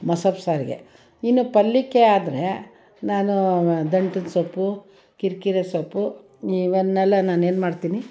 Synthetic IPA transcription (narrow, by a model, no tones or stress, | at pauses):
mɐsɐpsaːɾiɡḛ | inːupɐlːikːeaːd̪ɾe | naːnud̪ɐɳʈinsopːu | kiɾkiɾesɐpːu | iʋɐnːɛlːɐnaːne̞ːnmaːɽt̪iːni